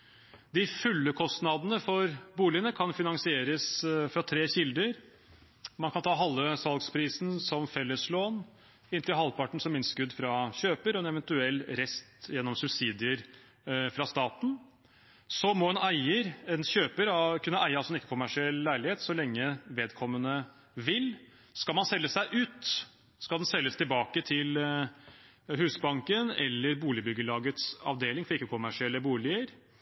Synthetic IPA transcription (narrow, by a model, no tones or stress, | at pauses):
d̪ɪfʉlːəkʰɔst̪nɑd̪ənəfɔɾbuːlɪənəkʰɑnfɪnɑŋsɪeːɾəsfɾɑt̪ʰɾeːɕɪld̪əɾ | mɑnkʰɑnt̪ʰɑːɦɑlːəsɑlɡspʰɾiːsn̩sɔmfɛlːəsloːn | ɪnt̪ɪlhɑlpɑʈɳ̩sɔmɪnst̪kʉd̪ːfɾɑɕøːpəɾɔɛnɛʋɛnt̪ʉɛlːɾɛst̪jɛnːɔmsʉbsiːd̪ɪəɾ | fɾɑst̪ɑːt̪n̩ | sɔmɔɛnæɪəɾɛnɕøːpəɾɑkʰʉnːəʔæɪəɑlsɔɛnɪkːəkʰʊmːæʂɪɛlːlæɪlɪheːt̪sɔlɛŋːəʋeːd̪kʰɔmːənə | ʋɪl | skɑlmɑnsɛlːəsæɪʔʉːt̪ | skɑld̪ɛnsɛlːəst̪ɪlbɑːkət̪ʰɪl | ɦʉːsbɑŋkənɛ̰lːəɾbuːlɪbʏɡːəlɑːɡət̪sɑ̰ʋd̪eːlɪŋfɔɾɪkːəkʰʊmːæʂɪɛlːəbuːlɪəɾ